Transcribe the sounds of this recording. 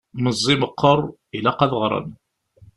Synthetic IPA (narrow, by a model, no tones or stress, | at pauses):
məzˤːiməqʰːəɾˤ | ilæqɑðəʁɾˤə̰n